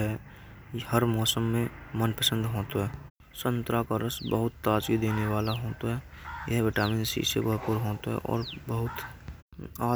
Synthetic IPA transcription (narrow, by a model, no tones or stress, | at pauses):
ɦɛ | həɾmɔːsəmːẽmənpəsə̃nd̪ʱɦoːt̪ɦɛː | sə̃nt̪ɾakəɾəsbəɦʊt̪ːaːt͡ʃid̪eːneʋaːlaɦoːt̪oɦɛːjəɦbɪʈaːmiːnsḭsḛbəɦpuɾɦoːt̪ɦɛ̰ʔɔ̰ːɾbəɦʊt̪ | aː